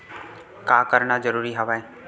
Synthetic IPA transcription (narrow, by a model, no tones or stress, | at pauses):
kaːkəɾɳazəɾuːɾiɦəʋae